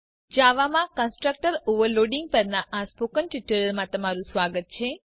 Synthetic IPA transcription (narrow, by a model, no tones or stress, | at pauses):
d͡ʒaʋamãkə̃nsʈɾək̚ʈəɾoʋəɾloɖiŋɡ̚pəɾnaʔaspokənʈiʈuɾəɾmãt̪əmaɾũsʋaɡət̪̚t͡ʃʰe